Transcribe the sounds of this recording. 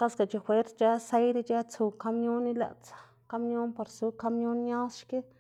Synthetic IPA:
ka˦ska˨t͡ʃi˧xwʷe˦ɾt͡st͡ʃa˦se˦jd̪i˦t͡ʃa˦t͡su˧ka˦mjo˦nːi˦la̰˨t͡sḁ˨˧ | ka˦mjo˦npa˧ɾsu˧ka˦mjo˦nɲa˦sʃke˦

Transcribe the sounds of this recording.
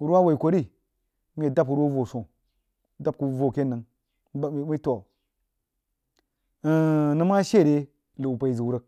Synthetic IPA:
u˦ɾu˦wa˦wa˨i˨kʷo˨ɾi˦ | m˦je˨da˦p̚u˦ɾwo˦vo˨so˨˦ | da˦p̚ku˨˦vo˨ke˦nə˨ŋ˦˨˦ | mi˦tu˦wa˨ | nɨ˦ma˦ʃe˦˨ɾe˦ | lə˨u˨pa˨i˨zi˨wu˦ɾə˦k̚

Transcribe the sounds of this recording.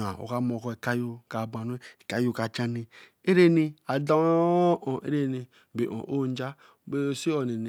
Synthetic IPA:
a˨o̰˨ka˦mo˨kɔ˦i˨ka˦jo˦ka˨ba˨n˦e˦i˨ka˦jo˦ka˨t͡ʃa˦ni˨ | e˦ɾe˦ni˦a˨da˦ʔo˨ḛ˦ɾe˦ni˨ | be˨ʔõ̰˨ʔo˦n˦d͡ʒa˦ | be˦˨si˦o˨ne˨ne˨

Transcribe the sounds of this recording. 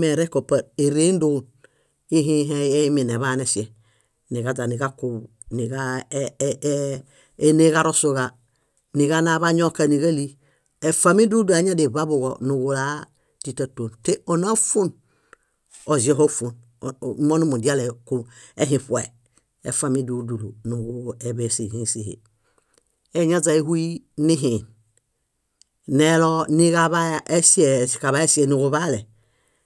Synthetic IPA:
mɛ˨ɾɛ˦ko˨pa˨e˨ɾe˦n˦do˦˨n | i˦ɦĩ˦ɦɛ˦mi˨ne˨βa˦ne˨si˨ɛ˨ | ni˨ɡa˨˦za˨ni˨ɡa˦ku˨ | ni˨ɡa˦ | e˦ne˦ɣa˦ɾo˦so˨ɣa˨ | ni˨ɡa˦na˨˦βa˦ɲo˦ka˨ni˨ɡa˦li˦ | e˨fa˨mi˦du˦da˨˦ɲa˦de˨βa˦bu˨ɡɔ̰˨nu˨ɡu˨la˦ | di˨ta˦˨to˨nte˦o˨na˦u˦fu˦n | o˨zi˨˦ɔ˦˨ɦo˦fu˨n˨˦ | mo˦nu˦mu˨di˦a˦lɛ˨ku˨e˦ɦĩ˨ɸu˨e˨ | ḛ˨fa˦mi˦du˨˦du˨lu˨nu˨ɡu˦ɛ˨βɛ˨si˨hĩ˦si˨hḛ˨ | e˨˦ɲa˦za˨i˦hu˦i˦ | ni˦ɦĩ˨n | nɛ˦lɔ˦ni˦ɣa˦βa˦ʔe˦si˦ɛ˨ka˨βa˨˦e˦si˦ɛ˨nu˨ɡu˨βa˦lɛ˨

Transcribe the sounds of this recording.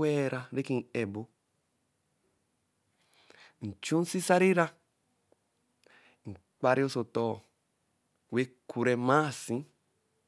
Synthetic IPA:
ɛ˦˨ɾa˦ɾe˦ki˨ŋ̩˨ɛ˨bo˦ | n̩˨t͡ʃũ˦n̩˦si˦sa˦ɾi˦ɾa˦ | ŋ̩˨ | k͡pa˦ɾi˦o˦so˨tɔː˦˨ | we˦kʰu˨ɾɛ˨ma˦˨sĩ˦

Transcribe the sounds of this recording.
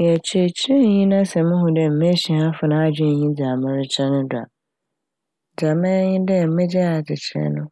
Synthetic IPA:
jɛ˨t͡ɕʰɛ˦t͡ɕʰi˦ɲĩ˦nã˦sɛ˨mɪ̃˦ɦʊ̃˨dɛ˨m̩˨me˦ɕi˨hã˦fʊ˨nã˦a˦˨d͡ʑᶣɪ˦˨ɲĩ˦d͡za˨mɪ̃˦ɾɪ˦t͡ɕʰɛ˦nʊ̃˦dʊ˨a̰˨ | d͡za˨mɛ̃˦ɲɪ̃˦dɛ˦˨m̩˦mɛ̃˦d͡ʑɛ˦a˨d͡ʑɪ˨t͡ɕʰɪ˨ɾɛ̰˦nʊ̃˦

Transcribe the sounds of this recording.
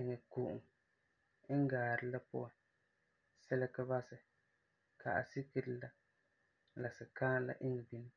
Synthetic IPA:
ɪ˨ŋɛ˨ku˨ʔʊ̰˨ŋ̩˦ | ŋ̩˦ɡaː˨ɾɨ˨la˦pʊ˦ʔa˨n | sɛ˦lɛ˦ka˦ba˦sɨ˨ | ka˨ʔa̰˨si˦kɨ˦ɾɨ˦la˦ | la˨sɨ˨kaː˦la̰˨ʔɪ˦ŋɛ˨bi˦ni˦

